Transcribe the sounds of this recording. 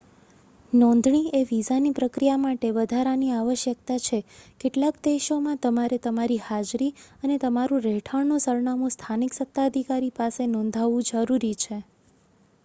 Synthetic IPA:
nɔ̃nd̪ʱɳieʋizanipɾəkɾijamaʈeʋəd̪ʱaɾaniaʋəʃjək̚t̪at͡ʃʰekeʈlakd̪eʃomãt̪əmaɾet̪əmaɾihad͡ʒɾiənet̪əmaɾũɾɛʈʰəɾnusəɾɳamũst̪ʰaniksət̪ːaəd̪ʱikaɾipasenɔ̃nd̪ʱaʋũd͡ʒəɾuɾit͡ʃʰe

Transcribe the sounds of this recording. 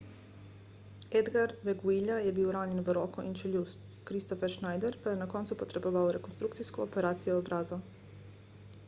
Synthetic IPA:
ed̪ɡaɾʋeɡuiʎajebiːwɾaːɲe̞nʋəɾokoʔint͡ʃeʎust̪ | kɾist̪ofeɾʃnajd̪eɾpajenako̞nt̪supo̞t̪ɾe̞boʋaoɾe̞ko̞nst̪ɾukt̪siskoope̞ɾaːt̪sijoobɾazo

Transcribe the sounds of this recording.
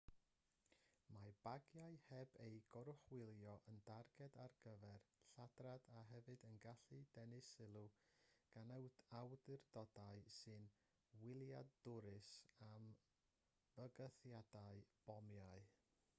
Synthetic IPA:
mab̥aɡjaɨhɛbejɡ̥ɔɾʊχwɪlˠjɔʔəndarɡ̥ɛdarɡ̥əvɛrɬadradaɦɛvɨdənɡaɬɨdɛnɪsɪlˠuɡ̥anəwdawdɪrdɔdaɨsɨn | wɪlˠjadʊɾɨsam | vəɡəθjadaɨb̥ɔmjaɨ

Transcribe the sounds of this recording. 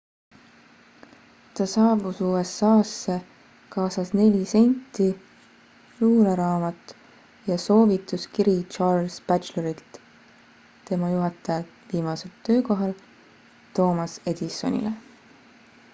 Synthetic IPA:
t̪ɑsɑːbusuːesɑːsːe̞ | kɑːsɑsne̞lʲise̞nʲt̪ːˑi | luːleɾɑːmɑt̪ˑ | jɑso̞ːvit̪ˑuskiɾit͡ʃɑrlsb̥æt͡ʃleɾilt̪ | t̪e̞mɑjuɦɑt̪ːˑɑjɑlt̪ | viːmɑse̞lt̪ːø̞ːko̞ɦɑl | t̪o̞ːmɑse̞d̪̥iso̞̰nʲḭle

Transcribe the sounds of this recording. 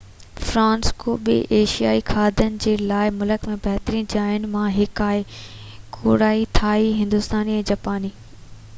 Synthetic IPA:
fɾãːnskoːɓɪ̰ʔeːʃija̰ːikʰaːd̪ʱənɪ̆d͡ʑeːlaːɪmʊləkmẽbʱɐɦt̪ɾĩd͡ʑaːɦɪnɪ̆mãɦɪkaːɦɪ | kʰoːɽaːit̪ʰaːɦiɦɪ̃nd̪ʊst̪aːniɛ̃ːd͡ʑapaːniː

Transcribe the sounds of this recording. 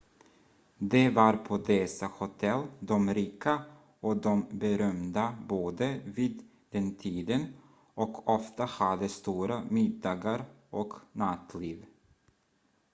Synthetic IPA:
d̪ɛvaɾpʰɔd̪ɛsahʊt̪ʰɛlːd̪ɔmɾiːka | ɔd̪ɔmbɛɾœmd̪aboːd̪əviːd̪ | d̪ɛnt̪ʰiːd̪ən | ɔkʰɔft̪ahad̪əst̪uːɾamɪd̪ːɑːɡaɾ | ʔɔknat̪liːv

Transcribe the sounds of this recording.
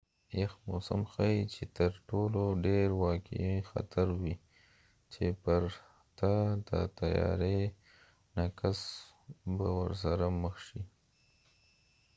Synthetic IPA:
jexmosa̰mxait͡ʃet̪əɾʈoloɖeɾwɑkḛixa̰t̪ʰaɾwi | t͡ʃepəɾ | t̪ad̪ə̰t̪ajɑ̰ɾe | nakas | bawəɾs̬aɾaməxʃi

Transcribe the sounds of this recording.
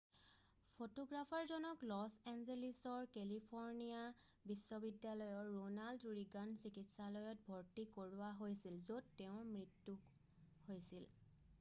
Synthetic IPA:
pʰotoɡɹapʰaɹzɔnɔklɔsɛnzelisɔɹkɛlipʰɔɹnija | bisːɔbidːjalɔjɔɹːonalduɹiɡansikitsalɔjɔt̚bʱoɹtikoɹuwaɦojsilzodtɛʊ̃mɹitːu | hojsil

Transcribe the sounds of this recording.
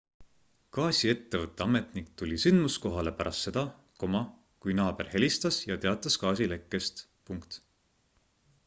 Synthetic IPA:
kɑːsʲie̞t̪ːe̞vɤt̪ˑːe̞ɑme̞t̪ˑnik̚t̪ulʲisynmusko̞ɦɑle̞pæɾʔɑst̪se̞d̪̥ɑ | ko̞mɑ | kujnɑːb̥e̞rhe̞lʲist̪ɑsjɑt̪e̞ɑt̪ˑːɑskɑːs̬ile̞kːˑe̞st̪ | puŋkt̪

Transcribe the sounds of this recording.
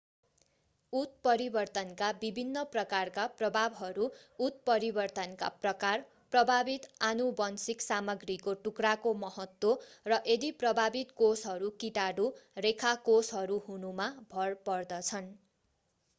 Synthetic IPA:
ut̪̚pʌɾibʌrt̪ʌnkabibʱinːʌprʌkarkaprʌbʱabɦʌɾuːt̪̚pʌɾibʌrt̪ʌnka̰prʌkar | prʌbʱabit̪anubʌnsiksamʌɡrikoʈukrakomʌɦʌt̪worʌʔed̪iprʌbʱabit̪kosɦʌɾukiʈaɽurekʰakosɦʌɾuɦunumabʱʌrpʌrd̪ʌt͡sʰʌn

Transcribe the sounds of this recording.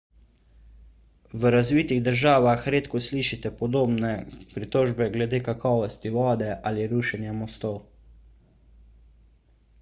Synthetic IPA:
ʋəɾazʋiːt̪iɣd̪əɾʒaːʋaxɾeːt̪kɔsliːʃit̪ɛpɔd̪oːbnɛpɾit̪oːʒbɛɡlɛd̪eːkakʰɔːʋɔst̪iʋɔːd̪ɛʔaliɾuːʃɛnjamɔst̪ow

